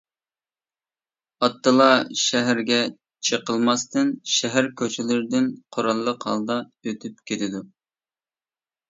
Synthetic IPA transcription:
ɑt̪ːɨlˠɑʃæɦæɾɡʲɛ | t͡ʃʰəqəlˠmɑst̪ɨnʃɛɦæɾkʲʰøt͡ʃʰɪlɪɾɪd̪ɪnqʰoɾɑlˠːəqhɑ̰lˠd̪ɑøt̪ʰyp̚kʲʰet̪ɪd̪u

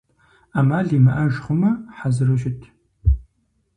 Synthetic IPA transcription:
aːmaːɮiːmɐʔɐʒχʷʊmɐħazɨrɨʃɪtʰ

